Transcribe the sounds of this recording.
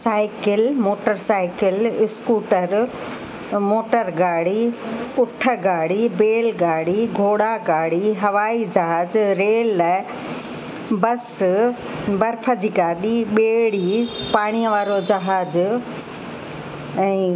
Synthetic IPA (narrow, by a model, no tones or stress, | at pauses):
saːɪkɪlmoːʈəɾsaːɪkɪlɪskuːʈəɾ | moːʈəɾɡaːɽiʊʈʰə̆ɡaːɽ̤ibeːlɡaːɽ̤iɡʱoːɽaɡaːɽiɦɐʋaːid͡ʑɐɦaːd͡ʑɾeːl | bɐs | bɐɾpʰəd͡ʑiːɡaːɗiɓeːɽipaːɽ̃iəʋaːɾod͡ʑɐɦaːd͡ʑ | ɛ̃ː